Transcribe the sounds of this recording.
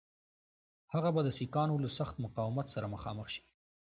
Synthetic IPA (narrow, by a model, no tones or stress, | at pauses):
haɣabad̪əsikɑnolasaxt̪mʊqɑwɪmat̪saɾaməxɑ̰məxʃi̥